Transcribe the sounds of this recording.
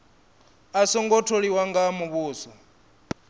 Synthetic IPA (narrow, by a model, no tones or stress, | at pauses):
asɔŋɡɔtʰoɺiwaŋɡamuβuːsɔ